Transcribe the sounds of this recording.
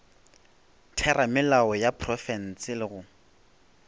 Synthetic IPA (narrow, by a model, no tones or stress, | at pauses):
tʰɛramɪlaɔjapʰrɔfɛn̩sɪlɪɣʊ